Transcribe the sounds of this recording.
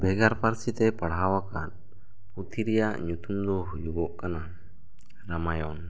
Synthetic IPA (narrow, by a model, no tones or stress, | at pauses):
bʱɛɡaɾpaɾsit̪ɛpaɽɦawakan | put̪ʰiɾɛjaʔɲut̪umd̪ɔɦujuɡɔʔkana | ɾamajɔn